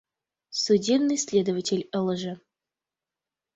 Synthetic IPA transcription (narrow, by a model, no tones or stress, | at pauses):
sudʲebnɨjsʲlʲed̪əvətʲelʲəlˠəʐə